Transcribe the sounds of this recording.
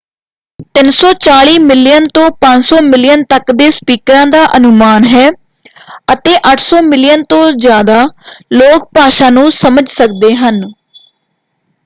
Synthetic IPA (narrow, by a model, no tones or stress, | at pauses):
t̪ɪnsɔːt͡ʃaːɭiːmɪlɪjənt̪õːpə̃ɲd͡ʒsɔːmɪlɪjənt̪əkd̪eːspiːkɾãːd̪aːʔənʊmaːnɦɛː | ət̪eːʔəʈʰsɔːmɪlɪjənt̪õːzjaːd̪aːloːk̚paːʃãːnũːsəməd͡ʒsək̚d̪eːɦən